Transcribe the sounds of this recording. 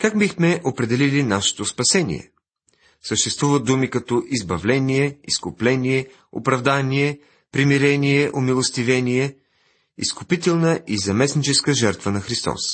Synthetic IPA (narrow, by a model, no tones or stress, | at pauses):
kakbixmɛʔopɾɛd̪ɛlilinaʃɛ̥t̪ospɐsɛnḭɛ̰ | səʃt̪ɛst̪vuvət̪̚d̪umikɐt̪ɔʔizbɐvlɛnijɛiskʊplɛniɛ | o̰pɾɐvd̪anʲiɛ | pɾimiɾɛnijɛʔomilˠost̪ivɛnijɛ | ḭskʊpit̪ɛlˠnəʔizɐmɛsnit͡ʃɛskəʒɛɾt̪vənɐxɾist̪ɔ̰s